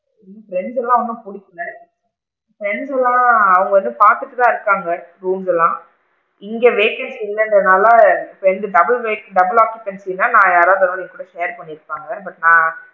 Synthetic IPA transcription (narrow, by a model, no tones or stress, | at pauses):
fɪɾɛɳɖsɛlːãːɐɔnːɯ̃pʊɽɪkːɐlɐ | fɪɾɛɳsɛlːãːɐʋɐŋɡɐʋɐnd̪ɯpaːɾt̪ɯʈːɯt̪ãːɪɾɯkːaːŋɡɐɾuːmsɛlːãː | ɪŋɡeʋeːkɛnsɪlːɐndɐnaːlaɪpːoːɛnd̪ɯɖɐbɐlʋeːkɖɐbɪlaːkjʊpːɛɳsɪnːaːnãːjaːɾaːʋðɐɾĩŋɡɐkːuːɽɐʃeːɾpɐɳːɪɾɯpːaːŋɡɐbɐʈnãː